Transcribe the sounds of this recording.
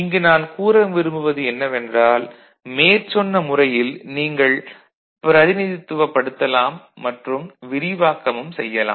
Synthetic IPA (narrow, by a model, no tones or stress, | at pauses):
ɪŋɡɯnaːnkuːɾɐmʋɪɾɯmbɯʋɐðɯɛnːɐʋɛndraːl | meːɾt͡ʃɔnːɐmʊrɐjɪlniːŋɡɐɭ | pɪɾɐðɪnɪðɪt̪ːɯʋɐpːɐɽɯt̪ːɐlaːmːɐʈrɯmʋɪɾɪʋaːkɐmɯmsɛ̰jːɐla̰ː